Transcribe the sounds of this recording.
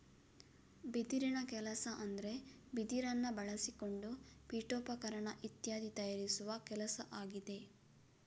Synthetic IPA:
bid̪iɾinɐkɛlɐsɐʔɐnd̪ɐɾe̞bid̪iɾɐnːɐbɐɭɐsiko̞ɳɖupiːʈoːpɐkɐɾɐɳɐʔit̪jaːd̪it̪ɐjaːɾisuʋɐkɛlɐsɐʔaːɡid̪e̞

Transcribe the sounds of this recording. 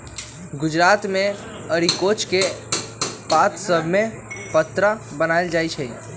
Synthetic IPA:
ɡʊd͡ʒɾaːt̪mẽ | əɾikoːt͡ʃke | paːt̪səbʱmẽ | pət̪ɾabənaːeld͡ʒaːit͡ʃʰɛi

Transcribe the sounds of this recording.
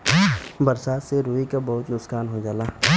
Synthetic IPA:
bɐɾsaːt̪seɾuːikabɐɦʊt̪nʊkskaːnɦod͡ʒaːlaː

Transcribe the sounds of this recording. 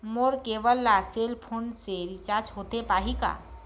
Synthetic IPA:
moːɾkeːʋəlːaseːlpʰoːɳɖseɾit͡ʃaːɾd͡ʒɦoːt̪epaːɦika̰ː

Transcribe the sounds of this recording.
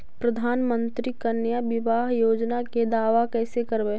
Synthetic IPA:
pɾɐd̪ʱaːnmə̃nt̪ɾikɐnjaʋɪʋaːɦjoːd͡ʒnaked̪aːʋakɛːsekɐɾbe

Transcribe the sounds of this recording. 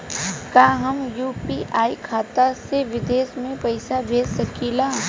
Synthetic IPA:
kaːɦɐmjuːpiʔaːikʰaːt̪aseʋɪd̪eːsmẽpɐɪsabʱeːssɐkiːlaː

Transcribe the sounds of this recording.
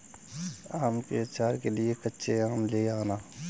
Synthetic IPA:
aːmpeːt͡ʃaːɾkelɪekətːʃʰeaːmleːaːnaː

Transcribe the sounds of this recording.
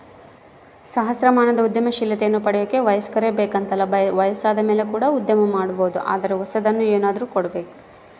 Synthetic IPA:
sɐɦɐsɾɐmaːnɐd̪ɐud̪jɐmɐʃilːɐt̪ɛjɐnːupɐɽɛjoːkːeʋɐjɐskɐɾeːbeːkɐnt̪ɐlːɐbʋɐjɐsaːd̪ɐmeːle̞kuːɽɐud̪jɐmɐmaːɽuboːd̪uʔa̰ːd̪ɐɾeʋɐsɐd̪ɐnːueːnaːd̪ɐɾuːkoɽɐbeːku̥

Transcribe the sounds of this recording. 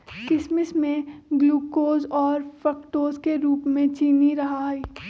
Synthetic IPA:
kɪsmɪsmẽɡluːkoːzɔːɾfɾəkʈoːzkeɾuːpmẽt͡ʃiːniɾɐɦaɦiː

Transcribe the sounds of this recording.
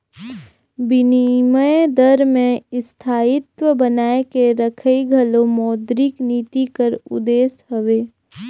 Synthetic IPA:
bɪniməd̪əɾmẽɪst̪ʰaːɪt̪wəbənaːekeɾəkʰəiɡʱəlomɔːd̪ɾɪkniːt̪ikəɾʊ̰d̪eːsɦəʋeː

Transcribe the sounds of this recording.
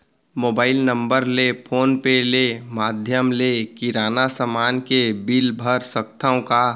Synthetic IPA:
moːbaːɪlnə̃mbəɾlepʰoːnpelemaːd̪ʱjəmlekiɾaːnasəmaːnkebilbʱəɾsəkt̪ʰaõka

